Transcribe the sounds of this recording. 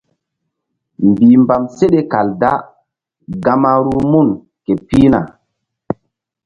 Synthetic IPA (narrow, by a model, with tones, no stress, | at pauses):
mbi˨mba˨mse˦ɗe˦ka˨lda˦ | ɡa˦ma˦ɾu˦mu˦˨n | ke˨pi˦na̰˨